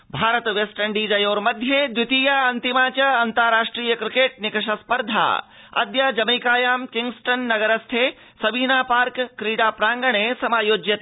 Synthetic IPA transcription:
bʱaːɾɐt̪ʋesʈɐɳɖiːd͡ʒɐjoːɾmɐd̪ʱjed̪ut̪iːjaːɐnt̪imaːt͡ʃɐɐnt̪ɐɾɾaːʂʈɾiːjɐkɾɪkeːʈ̚nɪkɐʂɐspɐɾd̪ʱa̰ː | ɐ̰d̪jaːd͡ʒɐmiːkaːjaːmkiŋɡsʈɐnːɐɡɐɾɐst̪ʰeː | sɐbiːnaːpaːɾkːɾiːɽaːpɾaːŋɡɐɳeːsɐmaːjoːd͡ʒjɐt̪

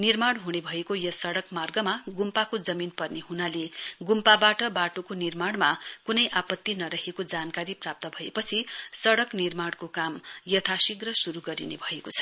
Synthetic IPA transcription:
nirmaɽɦunebʱʌekojʌsʌɽʌkmarɡʌmaɡumpakod͡zʌminpʌrneɦunaleɡumpabaʈʌbaʈokonirmaɽ̃makunʌjʔapʌt̪ːinʌɾʌɦekod͡zankaɾiprap̚t̪ʌbʱʌḛpʌt͡sʰisʌɽʌknirmaɽ̃kokamjʌt̪ʰasiɡrʌsuɾuɡʌɾḭnebʱʌekot͡sʰʌ̥

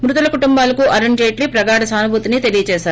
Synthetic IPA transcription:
mɾut̪ɐlɐkuʈumbaːlɐkuʔɐɾeɳd͡ʒeːʈlipɾɐɡaːɽɐsaːnubʱuːt̪init̪e̞lijɐt͡ʃɛːʃaːɾu

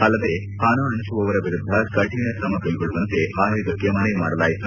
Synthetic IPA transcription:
ɐlːɐd̪eː | haːnɐːɐɳʃuʋɐʋɐɾɐʋiɾud̪ʱːɐkɐʈinɐsɐmɐkɐɭiɡoɭːuʋɐnt̪eʔaːɦɐɡɐkːemɐnɐjmaːɽɐlaːjit̪u

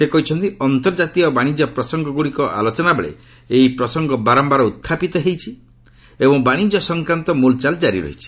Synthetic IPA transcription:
sekɔɦit͡ʃʰɔnt̪iɔnt̪ɔɾd͡ʒat̪iɔbaɽ̃id͡ʒɔpɾɔsɔŋɡɔɡuɽikɔʔa̰lot͡ʃɔnabeɭḛ | eipɾɔsɔŋɡɔbaɾɔmbaɾɔut̪ʰːapit̪ɔɦejt͡ʃʰi | ebɔŋbaɽ̃id͡ʒɔsɔŋkɾant̪ɔmult͡ʃald͡ʒaɾḭɾɔ̰ɦit͡ʃʰi̥

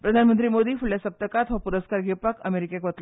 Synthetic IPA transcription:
pɾəd̪ʱanmənt̪ɾiːmod̪iːfuɭjasəp̚t̪əkat̪ʋapuɾəskaɾɡʱipakəmeɾikekʋət̪l

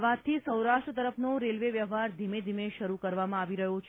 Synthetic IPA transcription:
ʋãt̪ʰːisəwɾaʃʈɾət̪əɾəfʰnoɾelʋeʋjəʋɦaɾd̪ʱimed̪ʱimeʃəɾukəɾʋamãaʋiɾəɦot͡ʃʰ

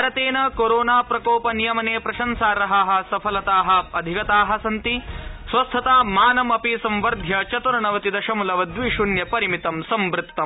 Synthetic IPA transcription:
ɾɐt̪eːnɐkoɾoːnaːpɾɐkoːpɐnijɐmɐneːpɾɐʃɐnsaːɾɐɦɐɦɐ̆sɐpʰɐlɐt̪aːɦɐ̆ɐd̪ʱikɐt̪aːɦɐ̆sɐnt̪isʋɐst̪ʰɐt̪aːmaːnɐmɐpisɐ̃mʋɐɾd̪ʱjɐt͡ʃɐt̪uɾɐɳɐʋɐt̪id̪ɐʃɐmulɐʋɐd̪ʋiʃunjɐpɐɾimit̪ɐmsɐmʋɾɪt̪ːɐm

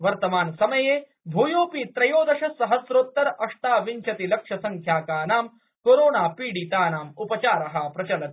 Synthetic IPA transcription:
ʋɐɾt̪ɐmaːnsɐmɐjeː | bʱuːjoːpiːt̪ɾɐjoːd̪ɐʂɐsɐɦɐsɾoːt̪ːɐɾɐʂʈaːʋiɲt͡ʃʰɐt̪ilɐkʂɐsɐŋkʰjaːkaːnaːm | koːɾoːnaːpiːɽiːt̪aːnaːmupɐt͡ʃaːɾɐɦɐpɾɐt͡ʃɐlɐt̪

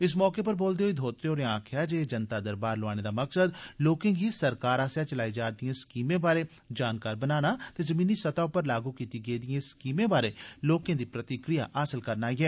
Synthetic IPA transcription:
ɪs̬mɔːkeːpəɾboːld̪eːɦoiːd̪ʱoːt̪ɾeoːɾeãːkʰɪjaːd͡ʒeːd͡ʒənt̪aːd̪əɾbaːɾlʊaːneːd̪aːməksəd̪loːkẽːɡisəɾkaːɾaːsjaːt͡ʃəlaːid͡ʒaːɾd̪ɪjãːskiːmẽːbaːɾeː | d͡ʒaːnkaːɾbənaːnaːt̪eːzəmĩːniːsət̪aːʊpːəɾlaːɡuːkiːt̪iːɡəiːd̪ɪjẽːskiːmẽːbaːɾeːloːkẽːd̪iːpɾət̪ɪkɾɪja̰ːʔaːsəlkəɾnaːiːɛː

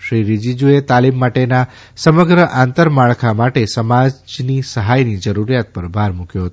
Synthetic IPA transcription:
ʃɾiɾid͡ʒid͡ʒuet̪alimːaʈena | səməɡɾəʔant̪əɾmaɭkʰamaʈesəmad͡ʒnisəɦajnid͡ʒəɾuɾijat̪̚pəɾbʱaɾmukjoɦət̪o

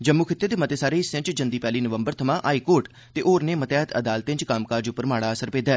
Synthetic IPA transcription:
d͡ʒəmːukʰɪt̪ːeːd̪eːmət̪eːsaːɾeːɪsə̃ɲt͡ʃd͡ʒənd̪iːpɛːliːnəʋəmbəɾt̪ʰəmãːʔaːiːkoːɾʈ | t̪eːʔoːɾneːmət̪ɛːt̪ə̰d̪aːlt̪ɪ̃nt͡ʃkaːmkaːɾd͡ʒʊpːəɾmaːɽaːəsəɾpeːd̪aː

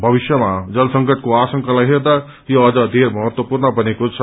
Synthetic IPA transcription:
bʱəbisjəmad͡ʒʌlsəŋkəʈ̚ʰkoasə̃ŋkalaɦeɾd̪a | joːd͡ʒʌd̪ʱeɾmʌɦət̪wəpuɾnəbənekot͡ʃʰ

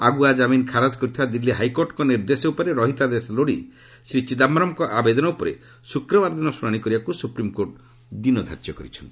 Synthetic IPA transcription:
aɡuad͡ʒaminkʰaɾad͡ʒkɔɾit̪ʰɔbad̪ilːiɦajkoɾʈɔkɔniɾd̪esɔupɔɾeɾɔɦit̪ad̪esɔloɽi | sɾit͡ʃid̪amɾɔmkɔʔabed̪ɔnɔupɔɾe | sukɾɔbaɾd̪inɔsuɾaɽ̃ikɔɾibakusupɾimkoɾʈ | d̪inɔd̪ʱa̰ɾt͡ʃjɔkɔɾit͡ʃʰɔnt̪i̥

